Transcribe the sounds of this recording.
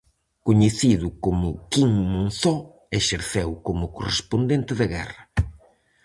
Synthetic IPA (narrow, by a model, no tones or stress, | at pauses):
koɲeθiðʊkomʊkiŋmõnθɔ | eʃeɾθewkomʊkorḛspond̪ent̪ɪðɐɣɛ̰rɐ